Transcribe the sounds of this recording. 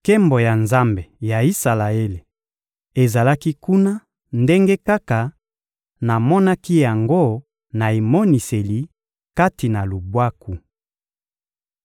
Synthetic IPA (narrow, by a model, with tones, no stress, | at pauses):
ke˦mbo˨ja˨nza˦mbe˨ja˨i˦sa˨la˨e˦le˨ | e˨za˨la˦ki˦ku˦na˦ | nde˦ŋɡe˦ka˦ka˨ | na˨mɔ˦na˦ki˦ja˨ŋɡo˦ | na˨e˨mɔ˦ni˨se˨li˨ | ka˦ti˨na˨lu˨bwa˦ku˨